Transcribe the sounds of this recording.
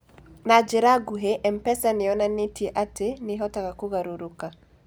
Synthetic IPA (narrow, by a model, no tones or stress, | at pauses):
nad͡ʒɛɾaɡuɦeʔɛm̩pɛsaniɔnanitieʔateniɦɔtakakuɣaɾuɾuka